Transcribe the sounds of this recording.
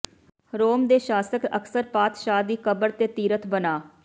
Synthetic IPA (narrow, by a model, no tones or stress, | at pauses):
ɾoːmd̪eːʃaːsəkə̰ksəɾpaːt̪ʃaːd̪iːkəbəɾt̪eːt̪iːɾət̪bənaː